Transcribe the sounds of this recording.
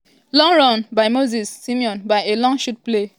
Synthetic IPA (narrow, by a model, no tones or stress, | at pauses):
lɔ̃ŋɹɔ̃nbaɪmozisːimiɔ̃nbaɪelɔ̃ŋʃut̚ple